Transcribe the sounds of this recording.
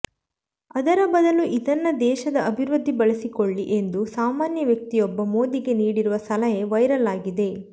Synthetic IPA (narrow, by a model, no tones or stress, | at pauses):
ɐd̪ɐɾɐbɐd̪ɐluʔid̪ɐnːɐd̪ɛːʃɐd̪ɐɐbʱiɾɐd̪ʱːibɐɭɐsikoɭːiʔe̞nd̪usaːmaːnjɐʋjɐk̚t̪ijɔbːɐmo̞ːd̪iɡe̞niːɽiɾuʋɐsɐlɐjɐʋɐjɾɐlaːɡid̪e̞